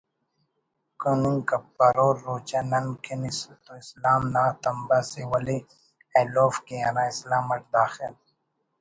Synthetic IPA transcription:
kunuŋkɐpːɐɾoːɾːoːt͡ʃɐnɐnkʰenist̪oislaːmnaːt̪ɐmbasewɐli | ɐloːfkeɐɾãːislaːmɐʈ̚d̪aːxil

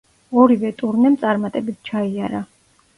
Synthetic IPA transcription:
ɔɾivɛt̪ʼuɾnɛmt̪sʼaɾmat̪ʼɛbit̪̚ʰt͡ʃʰaiaɾa

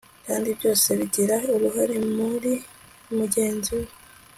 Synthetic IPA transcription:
kaːndiβjo̞ːse̞βiɟiɾaoɾuɦaɾemuɾi | muɟe̞ːnzuwe

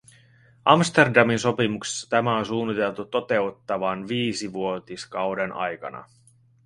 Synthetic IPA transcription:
ʔɑmst̪e̞rdɑminso̞pimukse̥sːɑ̥t̪æmæonsuːnːit̪e̞lt̪ut̪ːo̞t̪e̞ut̪ːɑʋɑnʋiːsiʋuo̞t̪iskɑwde̞nʔɑ̰jkɑ̰nɑ̰

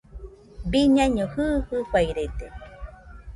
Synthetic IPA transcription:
biɲãɲõhɨhɨkʷajɾet̪e

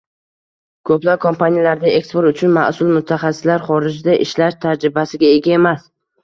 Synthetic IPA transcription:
kʰɵplap̚kʰompʰanijalaɾd̪ae̞kspoɾt̪ʊt͡ʃʰʊnma̰sʊlˠmʊt̪ʰːaχɑsɪ̥slaɾχɒɾɪd͡ʒd̪aʔɪʃlaʃt̪ʰad͡ʒɾɪbasɪɡʲae̞ɡʲae̞mas

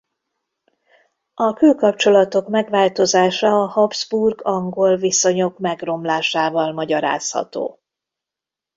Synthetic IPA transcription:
ɒkøːkɒp̚t͡ʃo̞lɒt̪o̞kmɛɡʋaːlt̪o̞zaːʃɒːhɒbz̥burɡɒŋɡo̞lviso̞ɲo̞kmɛɡro̞mlaːʃaːvɒlmɒɟɒɾa̰ːshɒ̰t̪o̰ː

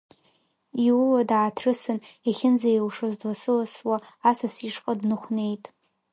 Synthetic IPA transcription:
iwladaːtʰrɨsɨneχʲɪnd͡zajwʂozdlasɨlaswaːsasiʂqʼadnɨχʷne̞jtʼ

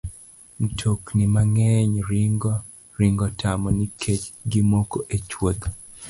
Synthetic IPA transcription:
n̩tʰoknimaŋɛɲɾiŋɡɔ | ɾiŋɡɔtʰamɔnikʰet͡ʃɡɪmokoʔet͡ʃwod̪

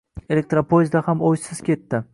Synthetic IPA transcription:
e̞lʲe̞k̚t̪ɾapʰojɪzd̪ahamojsɪz̥kʲe̞t̪ːɪ

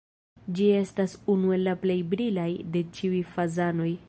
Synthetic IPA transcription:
d͡ʒie̞stasunue̞lːaple̞jbɾilajde̞t͡ʃiujfazano̞j

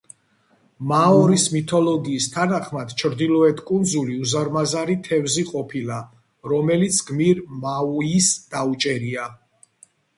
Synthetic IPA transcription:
maɔɾismit̪ʰɔlɔɡiːst̪ʰanaχmad̪̥t͡ʃʰɾd̪ilɔɛt̪ʰkʼund̪zuliuzaɾmazaɾit̪ʰɛvziqʼɔpʰila | ɾɔmɛlit̪sʰɡmiɾmauisd̪̥aut͡ʃʼɛɾia

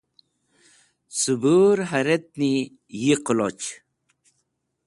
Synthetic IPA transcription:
subuɾɦaɾet̪̚ni | jiqlot͡ɕ

